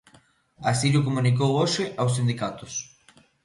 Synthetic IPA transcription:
asiʎʊkomũnik̬owoʃɪʔaws̬ĩnd̪ikat̪ʊs

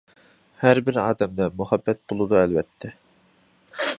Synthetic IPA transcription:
hæɾbɪɾɑ̰ːd̪ɛmd̪ɛmuhɛbːɛt̪̚bolˠɨd̪uɛlvɛt̪ʰːɛ

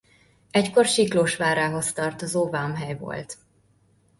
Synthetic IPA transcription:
ɛcko̞rʃikloːʃʋaːɾaːɦo̞st̪ɒrt̪ozoːvamɦɛjvo̰lt̪

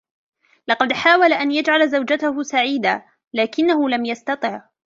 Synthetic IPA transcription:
lɑqɑd̪ħaːwalaʔanjad͡ʒʕalzawd͡ʒat̪ahʊsaʕiːd̪aː | laːkɪnːahʊlamjast̪ɑt̪ˤɨʕ

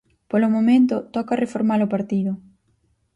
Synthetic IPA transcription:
polʊmomẽnt̪ʊt̪ɔkarefoɾmalopaɾt̪iðʊ

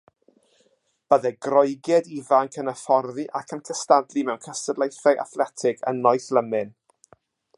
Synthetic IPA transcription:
b̥əðɛɡrɔjɡjɛdivaŋkʰənəfɔrðiʔakʰənkʰəstadlˠimɛwnkʰəstədlejθɛʔa̰θlɛtʰɪɡə̰nːɔɨθləmɪn

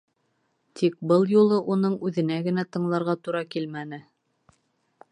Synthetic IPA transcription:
t̪ʰik̚bɤlˠjulˠɤʔunɤɴʉðɘ̆næɡɘ̆næt̪ɤ̆ɴlˠɑɾʁɑt̪uɾɑkilmænɘ

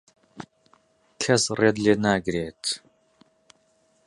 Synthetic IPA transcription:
kʰɐzred̪ɮeːnaːɡɾeːtʰ

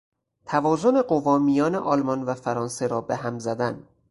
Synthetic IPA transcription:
t̪ʰævɒːzo̞ne̞ɢo̞vɒːmijɒːne̞ʔɒːlmɒnvæfæɾɒːnse̞ɾɒːbeɦæmzæd̪æn

